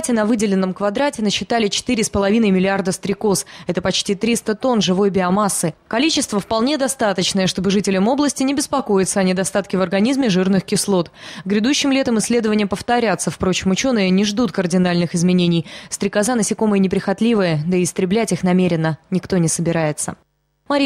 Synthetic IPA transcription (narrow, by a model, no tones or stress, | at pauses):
tʲɪnɐvɨdʲɪlʲɪnːəmkvɐd̪ɾatʲɪnəɕːɪt̪alʲɪt͡ɕɪ̥t̪ɨɾʲɪspəlˠɐvʲinəjmʲɪlʲɪard̪əst̪ɾʲɪko̞sɛt̪əpɐt͡ɕtʲit̪ɾʲist̪ət̪o̞nʐɨvo̞jbʲɪɐmasːɨkɐlʲit͡ɕɪst̪vəfpɐlˠnʲe̞d̪ɐst̪at̪ət͡ɕnəjəʂt̪o̞bɨʐɨtʲɪlʲəmo̞blˠəsʲtʲɪnʲɪbʲɪspɐko̞jɪt̪səɐnʲɪd̪ɐst̪at̪kʲɪvərɡɐnʲizmʲɪʐɨrnɨxkʲɪslˠo̞t̪ɡɾʲɪd̪uɕːɪmlʲe̞t̪əmɨsʲːlʲe̞d̪əvənʲɪjəpəft̪ɐɾʲat̪səfpɾo̞t͡ɕɪmʊt͡ɕo̞nɨjənʲɪʐd̪ut̪kərdʲɪnalʲnɨxɨzmʲɪnʲenʲɪjst̪ɾʲɪkazanəsʲɪko̞məjənʲɪpɾʲɪxɐt̪lʲivəjəd̪əɪːst̪ɾʲɪblʲætʲixnɐmʲeɾʲɪnːənʲɪkt̪o̞nʲɪsəbʲɪɾajɪt̪sə̰ | maɾʲ